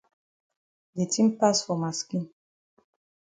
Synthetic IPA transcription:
de˨tʰĩ˦mpa˦sfɔ˨ma˨skĩ˦n

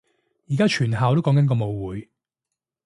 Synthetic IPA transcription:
jiː˨kaː˥t͡ʃʰyː˨˩nɦaː˨wt̪o˥wkɔː˨˥ŋkɐ˥nkɔː˧mo˨˧wwuː˨˧j

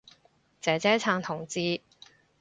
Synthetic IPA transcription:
t͡sɛː˨˥t͡sɛː˥t͡sʰaː˧ŋt̪ʰʊ˨˩ŋt͡siː˥

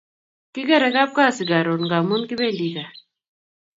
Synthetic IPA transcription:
ki˦ɡa˦ɾa˨ka˦p̚ka˦˨si˨ɡa˨ɾo˨nɡa˨mu˦nki˦be˦ndi˨ka˨

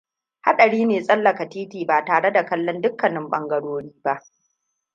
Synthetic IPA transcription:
ha̰˦ɗɐ˨ɽiː˦neː˨sʼɐ˦lːɐ˨ka˨tiː˦tiː˨baː˨taː˨ɽe˦da˨kɐ˦lːɔ˦ndʊ˦kːɐ˨nɪ˦mɓɐ˦ŋɡɐ˦ɽoː˦ɽiː˦ba˦ʔ

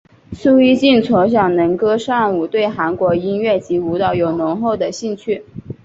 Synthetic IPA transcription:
su˥˧i˥t͡ɕi˥˩nt͡sʰo˧˥ɕ̬jɑ˨˩ŋnə˧˥ŋkɤ˥ʂɑ˥˩ŋu˨˩t̪we˥˩ɪxa˧˥nkwɔ˧˥i˥nɥɛ˥˩t͡ɕi˧˥u˧˥t̪ɑ˥˩ʊjo˨˩ʊnʊ˧˥ŋxo˥˩ʊd̪ə˩ɕi˥˧nt͡ɕʰy˥˩

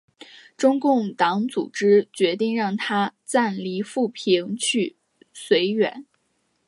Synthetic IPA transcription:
ʈ͡ʂʊ˥ŋkʊ˥˩ŋt̪ɑ˧˥ŋt͡su˨˩ʈ͡ʂɻ̩˥t͡ɕɥɛ˧˥t̪i˥˧ŋɻɑ˥˩ŋt̪ʰa˥t͡sa˥˩nli˧˥fu˥˩pʰi˧˥ŋt͡ɕʰy˥˩ | swe˧˥ɪɥɛ̰˨˩˦n

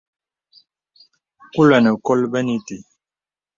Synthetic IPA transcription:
ku˦lɛ˨nə˨kɔ˦lbɛ˦ni˦ti˨

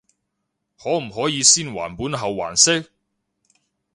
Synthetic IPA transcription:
hɔː˨˥m̩˨˩ɦɔː˨˥jiː˨˧siː˥nwa̰ː˨˩npuː˨˥nɦɐ˨wːa̰ː˨˩nsɪ˥k̚

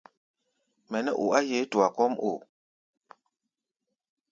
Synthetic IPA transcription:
mɛ˨nɛ˦ʔṵ˨a˦je˨˦tu˨a˨kɔ˦mo̰˨

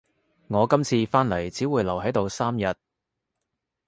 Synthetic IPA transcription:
ŋɔː˨˧kɐ˥mt͡sʰiː˧faː˥nlɐ˨˩jt͡siː˨˥wuː˨˧jlɐ˨˩wɦɐ˨˥jt̪o˨˧wsaː˥mjɐ˨t̚

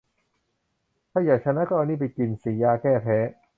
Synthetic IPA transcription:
t̪ʰa˥˩jaː˨˩k̚t͡ɕʰa˧˥na˦˥kɔː˧niː˥˩pa˧jki˧nsiː˨˩˦jaː˧kɛː˥˩pʰɛː˦˥

